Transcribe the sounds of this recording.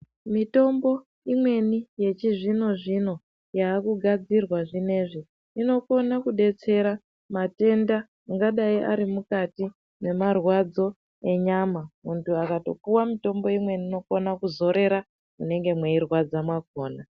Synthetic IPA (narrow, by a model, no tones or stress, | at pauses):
mito̞mbo̞ | imwe̞nije̞t͡ʃiʐino̞ʐino̞ | jaːkuɡʱad͡zirwaʐine̞ʐi | ino̞ko̞nakuɗe̞t͡se̞ɾa | mate̞ndaː | ŋɡaɗaiʔa̰ɾimukati | ne̞marwad͡zo̞ | e̞ɲamamuntʰuakato̞̰puwamito̞mbo̞imwe̞niːno̞konakuzo̞ɾe̞ɾa | kune̞ŋɡe̞mweirwad͡zamwakoːna